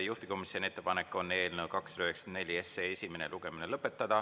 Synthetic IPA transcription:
juht̪i̥ko̞misone̞t̪ːepɑnekːˑo̞nːe̞ːlnewkɑksyd̪ɑyheksɑ̥end̪ne̞lʲieseesʲimeneluɡ̥e̞minelɤpːˑe̞t̪ːˑɑd̪̥ɑ

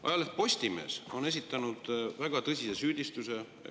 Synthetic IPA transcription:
ɑ̰jɑlepo̞sʲt̪ime̞̰ːso̞ne̞s̬ʲit̪ːˑɑnud̪̥væɡ̥ɑt̪ɤsʲisesyːd̪̥ʲist̪use̞

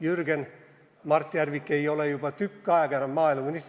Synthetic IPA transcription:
jyrɡen | mɑrt̪ːiærʋikːeiolejopɑt̪ykːøɑiɡɑnɑmɑːilɑkunis

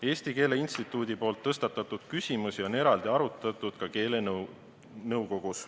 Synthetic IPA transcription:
e̞ːst̪ike̞ːle̞inst̪it̪ːˑuːd̪ʲipo̞ːlt̪ːɤst̪ɑt̪ːˑɑt̪ːˑud̪̥̚kysʲimusio̞ne̞ɾɑld̪̥iɑɾut̪ːˑɑt̪ːˑud̪̥kɑke̞ːlen | nɤwko̞ɡ̥us

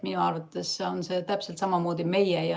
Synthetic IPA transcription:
minuɑːrvɑt̪ːˑe̞sːeo̞nse̞t̪æpselt̪sɑmɑmo̞ːd̪̥ime̞jejɑ

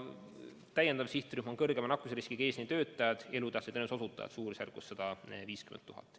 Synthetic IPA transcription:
t̪æjend̪ɑmsiht̪ryhmɑnkɤrɡ̥emɑnɑkːˑuseɾiskiɡ̥e̞ːsnit̪ø̞ːt̪ːˑɑjɑd̪̥e̞lut̪ɑhsid̪enuso̞sut̪ˑːɑ̰jɑ̰t̪suːɾisærkːusːɑd̪̥ɑviːskymḛuɦɑ̰t̪ːˑ

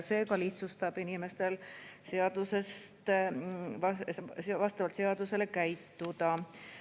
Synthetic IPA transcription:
se̞ːkɑliht̪sust̪ɑb̥inime̞st̪e̞lse̞ɑd̪̥use̞st̪ | ɑvɑst̪ɑvɑlt̪seɑd̪use̞le̞kæjt̪ːud̪̥ɑ

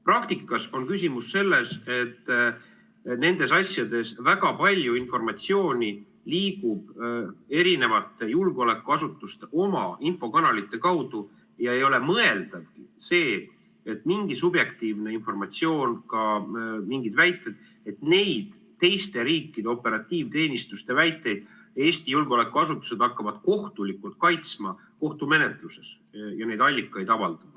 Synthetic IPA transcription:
prɑkt̪ikːˑɑso̞nkys̬ʲimusse̞lːe̞se̞t̪ː | ne̞nd̪̥e̞sɑsʲjɑd̪e̞svæɡ̥ɑpɑlʲjuinfo̞rmɑt̪sio̞ːnʲi | liːɡub̥e̞ɾine̞vɑt̪ːˑe̞julɡo̞le̞kːˑuɑsut̪ːˑust̪eo̞mɑ̰info̞kɑnɑlit̪ːˑe̞kɑwd̪̥u | ejɑe̞jo̞le̞mɤe̞ld̪̥ɑvkise̞ː | et̪ːˑmiŋɡisubje̞kt̪iːvne̞info̞rmɑt̪sio̞ːnkɑmiŋɡid̪̥væjt̪ːˑe̞d̪̥ | e̞t̪ne̞jd̪̥ | t̪ːe̞jst̪e̞ɾiːkːˑid̪e̞o̞pe̞ɾɑt̪ːˑiːvt̪e̞ːnʲist̪ust̪e̞væjt̪ːˑe̞jd̪̥̚ | e̞ːst̪ijulɡo̞le̞kːuɑsut̪ːˑu̥se̞d̪̥ɑkːɑvɑd̪̥̚ko̞ht̪ulikːult̪̚kɑjt̪smɑ | ko̞ht̪ume̞ne̞t̪luse̞s | jɑne̞jd̪ɑlʲːikːˑɑjd̪̥ɑvɑld̪̥ɑd̪̥

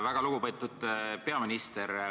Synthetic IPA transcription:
væɡ̥ɑluɡ̥upɤt̪ːˑud̪̥pe̞ɑminist̪eɾ

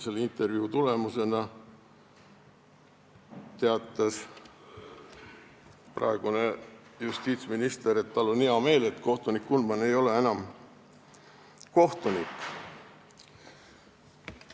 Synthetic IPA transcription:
se̞lːint̪ːˑe̞rviut̪ule̞muse̞nɑ | t̪e̞ɑt̪ːˑɑs | prɑ̰e̞ɡ̥une̞just̪iːt̪sminist̪eɾet̪̚t̪ɑlːoniɑme̞ːle̞t̪ko̞ht̪unikːulmɑne̞jo̞le̞e̞nɑm | ko̞ht̪unikːˑ

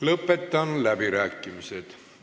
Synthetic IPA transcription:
lɤpːet̪ːɑnlæbiɾæːkːimiset̪

